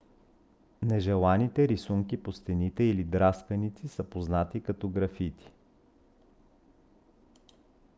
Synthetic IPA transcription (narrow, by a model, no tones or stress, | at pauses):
nɛʒɛlˠanit̪ɛɾisuŋkipost̪ɛnit̪ɛilid̪ɾast̪vɛnit̪sisəpoznat̪ikɐt̪oɡɾɐfit̪i̥